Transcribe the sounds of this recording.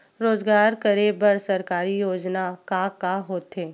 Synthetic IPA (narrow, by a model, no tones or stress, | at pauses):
ɾoːzɡaːɾkɐɾebəɾsɐɾkaːɾijoːd͡ʒnakakaɦoːt̪ɦeː